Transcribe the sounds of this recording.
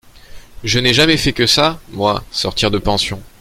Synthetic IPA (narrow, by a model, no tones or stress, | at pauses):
ʒənɛʒamɛfɛkəsamwasɔʁt̪iʁd̪əpɑ̃sjɔ̃